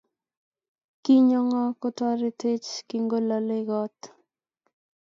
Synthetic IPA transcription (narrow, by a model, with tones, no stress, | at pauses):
ki˦ɲɔ˦ŋɔ˦kɔ˦tɔ˦ɾɪ˦te˦t͡ʃkɪ˦ŋɡo˦la˨lɪ˦ɡɔ˦t